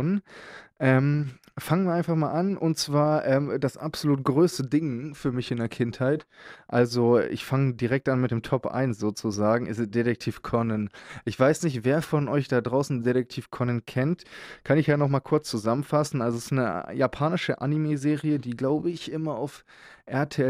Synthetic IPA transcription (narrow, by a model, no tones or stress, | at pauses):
nʔɛːm | faŋənviːɐaɪnfaχmaːlʔanʔʊntt͡sv̥aːɐʔɛːmdasʔa̰pz̥oluːtɡ̥ʁøːstədɪŋfyːɐmɪçʔɪndeːɐkʰɪnthaɪtʔalzoʔɪ̰çfaŋədiːʁɛk̚tʔanmɪt̚d̥eːmtʰɔpʔa̰ɪnsz̥oːt͡suzaːɡŋ̩ʔɪ̰sd̥eɾɛk̚tʰiːfkʰɔnənʔɪçv̥aɪsnɪçtv̥eːɐfɔnʔɔʏçd̥adʁaʊsn̩deɾɛk̚tʰiːfkʰɔnənkʰɛntkʰanɪçjaːnɔχmaːlkʰʊɐt͡st͡suzamənfasn̩ʔalzoɪsnəjapʰaːnɪʃəʔa̰nimeːzeːʁiədiːɡlaʊbəɪçʔɪmɐa̰ʊf | ʔɛɐtʰeɛ